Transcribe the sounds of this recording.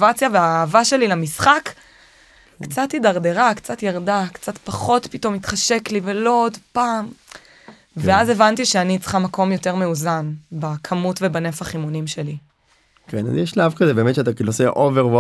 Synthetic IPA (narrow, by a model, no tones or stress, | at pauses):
vat͡sjaveaːvaʃe̞lilamisχak | kt͡satidaʁde̞ʁakt͡sat̪jaʁdakt͡satpaχo̞tpito̞mit̪χaʃe̞kliveloodpaːm | veazevantiʃeanit͡sχamako̞mjo̞te̞ʁmeuzanbakʰamutvebane̞faχimunimʃe̞li | kena̰zjɛʃlavkazebe̞ːmetʃeat̪akilosḛʔoveʁv